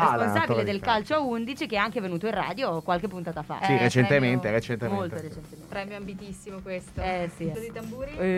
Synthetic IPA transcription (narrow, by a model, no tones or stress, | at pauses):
easponnsaːbiled̪elkalt͡ʃoaund̪it͡ʃikeɛaŋkevenuːt̪oĩra̰ːd̪jokwalk̟epːunt̪aːt̪afa̰siɾet͡ʃent̪ement̪eɾet͡ʃent̪emmolt̪oɾet͡ʃent̪emepɾɛːmjoambit̪isːimokwest̪oɛsiod̪it̪ambuːɾi